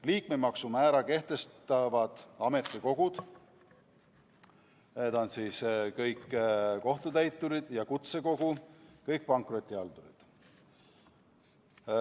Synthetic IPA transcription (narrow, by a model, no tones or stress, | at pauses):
liːkmemɑksumæːɾɑke̞ht̪e̞st̪ɑvɑd̪̥ɑme̞t̪ːˑiko̞ɡ̥ud̪̥ | ned̪onsiːskɤjkːko̞ht̪ut̪æjt̪ˑːuɾid̪̥jɑkut̪se̞ko̞ɡ̥ukɤjk̚pɑŋkˑro̞t̪ʲːˑiɑld̪̥uɾḭd̪̥